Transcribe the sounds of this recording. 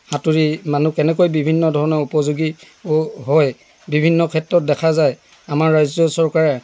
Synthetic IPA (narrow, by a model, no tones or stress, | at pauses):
hatuɹimanukɛnɛkojbibʱinːɔdʱɔɹɔnɔupɔzuɡi | ɦɔj | bibʱinːɔkʰɛtɹɔt̚dɛkʰazaj | amaɹːajzɔsɔɹkaɹɛ